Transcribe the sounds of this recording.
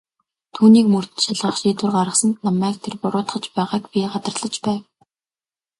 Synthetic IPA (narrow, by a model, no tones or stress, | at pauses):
t̪ʰuːniːkmɵr̥t̪ɘ̥̆nʃaɮʁə̆χʃiːt̪wɘ̆rɢaɾə̆χsə̆nt̪namæːk̚t̪ʰerpʊɾʊːt̪χə̆t͡ɕpæːʁaːkpʲiːɢat̪ə̆rɮə̆t͡ɕpæːw